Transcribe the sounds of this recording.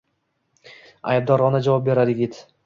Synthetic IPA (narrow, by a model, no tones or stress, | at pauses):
a̰jb̚d̪ɒɾʁɒnad͡ʒavɒp̚be̞ɾaɾɪɡʲɪt̪